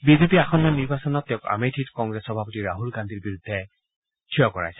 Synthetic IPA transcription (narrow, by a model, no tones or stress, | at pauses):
bizepiaxɔnːɔniɹbasɔnɔtːɛʊ̃ka̰metʰitkɔŋɡɹesxɔbʱapɔtiɹaɦulɡandʱiɹbiɹud̪ʱːɛ | tʰijɔkɔɹa̰jsɛ̥